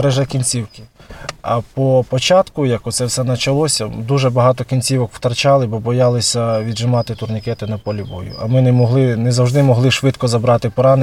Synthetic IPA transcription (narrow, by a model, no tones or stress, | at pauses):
ɾɛʒɛkʲinʲt͡sʲiwkɪɐ̰pɔpɔt͡ʃɑt̪kʊjɐkɔt̪sɛwsɛnɐt͡ʃɐlˠɔsʲɐd̪uʒɛbɐɦɑt̪ɔkʲinʲt͡sʲiʋɔkw̥t̪ɐrt͡ʃɑlˠɪbɔbɔjɑlˠɪsʲɐʋʲid̪ʒɪmɑt̪ɪt̪ʊrnʲikɛt̪ɪnɐpɔlʲibɔ̰jʊ̰ɐmɪnɛmɔɦlˠɪnɛzɐwʒd̪ɪmɔɦlˠɪʃʋɪt̪kɔzɐbɾɑt̪ɪpɔɾɑnɪ